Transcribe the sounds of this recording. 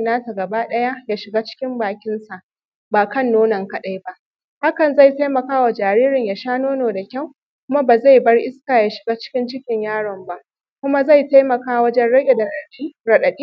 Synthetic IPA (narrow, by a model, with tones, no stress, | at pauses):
naː˦ta˨ɡɐ˨ba˦ɗɐ˦ja˦jaː˦ʃɪ˨ɡaː˦t͡ʃɪ̥˦kʲɪ˦mbaː˨kʲɪ˦nsa˨ʔ | baː˨kɐ˦˨nːoː˦nɐ˨ŋkɐ˦ɗa˦jba˦ʔ | ha˦kɐ˨nza˦˨jta˦jmɐ˨kaː˦wa˨d͡ʒaː˨ɾiː˦ɾɪ˨ɲjaː˨ʃaː˦noː˦noː˨da˨kʲa˦˨w | kʷʊ˦ma˦baː˨za˦˨jbɐ˦rʔɪ˦skaː˨ja˨ʃɪ̥˨ɡaː˦t͡ʃɪ̥˦kʲɪ˦nt͡ʃɪ˦kʲɪ˨ɲjaː˦ɽɐ˨mba˦ʔ | kʷʊ˦ma˦za˦˨jta˦jmɐ˨kaː˦wɐ˦d͡ʒɛ˦nɽɐ˦ɡʲe˨dɐ˨ɗɐ˨i˦ɽɐ˨ɗɐ˨ɗiː˦